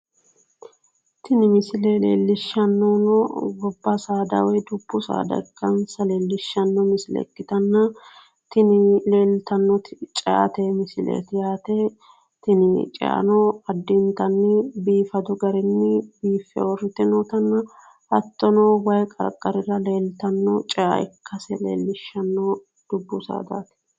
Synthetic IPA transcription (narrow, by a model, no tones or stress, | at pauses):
t̪ɪnɪmɪsɪleːlḛːlːɪʃːɐnːoːnɔɡɔbːɐsaːd̪ɐ̰wɛjd̪ʊbːʊsa̰ːd̪ɐ̰kʼːɐnsɐleːlːɪʃːɐnːɔmɪsɪlɛ̰kːɪt̪ɐnːɐ | t̪ɪnɪleːlt̪ɐnːɔt̪ɪt͡ʃʼɛʔɐ̰t̪eːmɪsɪlḛːt̪ɪjaːt̪eː | t̪ɪnɪt͡ʃʼɛ̰ʔɐ̰nɔɐd̪ːɪnt̪ɐnːɪbiːfɐd̪ʊɡɐɾɛnːɪbiːfɛ̰wɔrɪt̪ɛnoːt̪ɐnːɐ | ʔɐt̪ːɔnoːwɐjkʼɐ̰ɾkʼːɐɾɪrɐle̞ːlt̪ɐnːɔt͡ʃʼɛʔɐ̰ʔɪ̰kʰːɐsɛlḛːlːɪʃːɐnːɔː | d̪̥ʊbːʊsa̰ːd̪a̰ːt̪ɪ̥